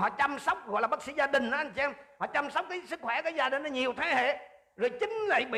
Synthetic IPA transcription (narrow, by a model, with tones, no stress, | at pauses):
ɦɔ̰˧˨t͡ɕa˧msə˦˥wk͡p̚ɣɔ̰˧˨jlaː˨˩ɓə˦˥t̚sḭ˧˥zaː˧ɗï˨˩ŋ̟ʔa˨˦ʔa˧jŋ̟t͡ɕi˧ɛ˧mhɔ̰˧˨t͡ɕa˧msə˦˥wk͡p̚kaː˨˦jsɨ˦˥k̚xwɛ˧˩kaː˨˦jzaː˧ɗi˨˩ŋna˨˦ɲi˨˩əwt̪ʰaː˨˦hḛ˧˨ | zo˨˩jt͡ɕï˨˦ŋ̟na˧˩jɓḭ˧˨